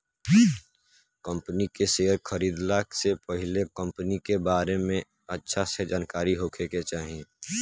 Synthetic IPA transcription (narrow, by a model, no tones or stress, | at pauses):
kə̃mpənikeseːɾxʰəɾiːd̪laːksepəɦɪlekə̃mpənikebaːɾemẽ | ətːʃʰased͡ʒaːnkaːɾiɦoːkʰeket͡ʃaːɦie